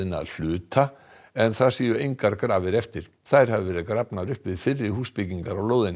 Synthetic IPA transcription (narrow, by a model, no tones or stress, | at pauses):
ɪna̰ðl̥ʏːt̪a | ɛnθaðsiːjʏejŋkaɾkɾaːvɪɾɛft̪ɪɾ̥ | θaðɾ̥havɪvɛːɾɪðkɾapnaðɾʏhpvɪðfɪrːɪɾhuːspɪciŋkaɾawloːwðɪn